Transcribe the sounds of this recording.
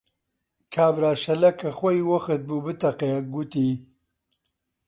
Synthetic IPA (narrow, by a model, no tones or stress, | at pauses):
kʰaːbɾaːʃɐlɐkʰɐxwojwɐxɨt̪̚buːbɨt̪ɐqeɡut̪iː